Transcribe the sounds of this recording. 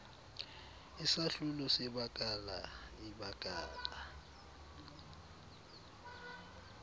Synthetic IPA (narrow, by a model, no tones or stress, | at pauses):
isaɬulɔsɛbakʼalaibakʼaːla